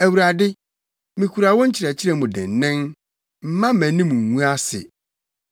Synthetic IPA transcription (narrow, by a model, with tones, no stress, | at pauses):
æ˨wu˨ɾa˨dɪ˦ | mĩ˨kʰu˨ɾa˨wɔ̃˦ɲ̩˦t͡ɕʰɪ˨ɾɛ˨t͡ɕʰɪ˦ɾɛ˦˨mʊ̃˨dɛ̰̃˨n˨nɪ̃˦n | m̩˨mã˦mæ̃˨nĩ˦mũ˨ŋ̩˨wũ˦a˦sɪ̰˨